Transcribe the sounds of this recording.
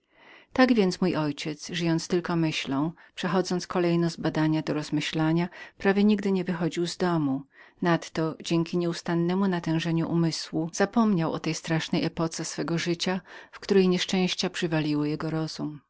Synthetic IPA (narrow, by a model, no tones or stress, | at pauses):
t̪aɡvʲjɛnt̪smujʔɔjt͡ɕɛt̪sʐɘjɔnt̪st̪ɘlkɔmɘɕlɔ̃w̃ | pʂɛxɔd̪zɔnt̪skɔlɛjnɔzbad̪aɲad̪ɔɾɔzmɘɕlaɲapɾavʲjɛɲiɡd̪ɘɲɛvɘxɔd͡ʑiwzd̪ɔmunat̪ːɔd͡ʑɛŋkʲiɲɛust̪anːɛmunat̪ɛ̃w̃ʐɛɲuʔumɘswuz̥apɔmɲawʔɔ̰t̪ɛjst̪ɾaʂnɛjɛpɔt̪sɛsfɛɡɔʐɘt͡ɕafkt̪uɾɛjɲɛʂt͡ʂɛ̃w̃ɕt͡ɕapʂɘvalʲiwɘjɛɡɔɾɔz̥um